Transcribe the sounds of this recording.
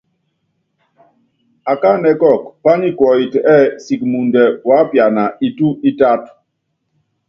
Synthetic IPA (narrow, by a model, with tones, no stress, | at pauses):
a˨ka˦˨nɛ˨kɔ˦˨k̚pa˦ni˦kwɔ˨i˨tɛ˦˨si˨k̚mu˨ndɛ˨wa˨˦pja˨na˨i˨tu˦i˦ta˦t